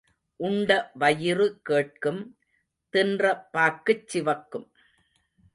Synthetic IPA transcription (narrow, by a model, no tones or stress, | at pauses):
ʔʊɳɖɐʋɐjɪɾɯkeːʈ̚kɯm | t̪ɪndrɐpːaːkːɯt͡ʃːɪʋɐkːɯm